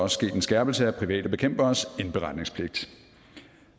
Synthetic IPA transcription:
ɒ̽səsɡ̥e̝̰ːd̥ensɡ̥æɐb̥l̩səæpʰʁiʋɛ̰ːd̥əb̥e̝kʰem̰b̥ɐːse̝nb̥e̝ʁɑ̈d̥ne̝ŋspʰle̝ɡ̥̚d̥

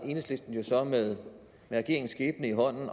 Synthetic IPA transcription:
enəslid̥d̥n̩jo̝sɒ̽meðˠ | meʁɛɡ̥e̝ɐe̝ŋsɡ̥eːb̥nəiɦɒ̽n̰n̩

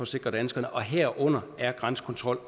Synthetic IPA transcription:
ɒ̽se̝ɡ̥ʁɐd̥ænsɡ̥ɐnəʔɒ̽ɦeɐ̰ʔɔ̽n̰ɐæɐɡ̥ʁɑ̈nsə̥kʰɒ̽nt͡sʰʁɒ̽l̰

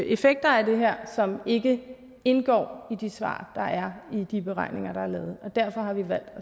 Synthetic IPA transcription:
ʔe̝feɡ̥̚d̥ɐæɐd̥e̝ɦæɐ̰sɒ̽me̝ɡ̥ə | e̝nɡ̥ɒ̰ːid̥isʋɑ̰̈ːd̥ɑ̈ʔæɐid̥ib̥e̝ʁɑ̈ɪ̰ne̝ŋɐɾ̥ɑ̈æɐlɛːð̞̩ˠɒ̽d̥æɐfɒ̽hɑ̈ʋiʋæl̰d̥ɒ

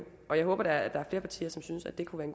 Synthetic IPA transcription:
ʔɒ̽jɑ̈ɪɔ̽ːb̥ɐd̥ɑd̥ɑ̈æɐfle̝ːɐpʰɑ̈t͡sʰḭːɐsɒ̽msynsæd̥e̝kʰuʋæɐenɡ

